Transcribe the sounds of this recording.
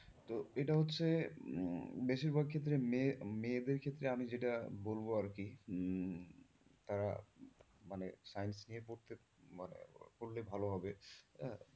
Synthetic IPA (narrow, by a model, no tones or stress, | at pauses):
t̪oeʈaɦotːʰe | beʃiɾbaɡ̚kʰet̪̬ːɾememed̪eɾkʰet̪ːɾeamid͡ʑeʈabolboaɾki | t̪aɾa̰ | manesajnsnijepoɾt̪e | manḛpoɾlebʱaloɦɔbe